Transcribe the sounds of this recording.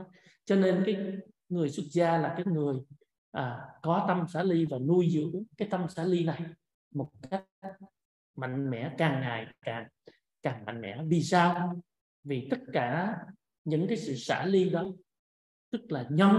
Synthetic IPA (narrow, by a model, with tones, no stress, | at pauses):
t͡ɕɔ˧ne˧nkaː˨˦j | ŋɨ˨˩əjswə˦˥t̚zaː˧laː˨˩kaː˨˦jŋɨ˨˩əj | ʔaː˨˩kɔ˨˦t̪ə˧msa̰ː˧˥li˧vaː˨˩nu˧jzɨ̰˧˥əŋkaː˨˦jt̪ə˧msaː˧˥li˧na˨˩j | mo˨˩t̚ka˦˥ | ma̰˧˨jŋ̟mɛ̰˧˩˥kaː˨˩ŋːaː˨˩jkaː˨˩ŋ | kaː˨˩ŋma̰˧˨ŋ̟mɛ̰˧˥vi˨˩saː˧w | vi˨˩t̪ə˦˥t̚kaː˧˩ | ɲɨ̰˧˥ŋkaː˨˦jsɨ̰˧˨sa̰ː˧˥li˧ɗɔ˨˦ | t̪ɨ˦˥k̚laː˨˩ɲɔ˧w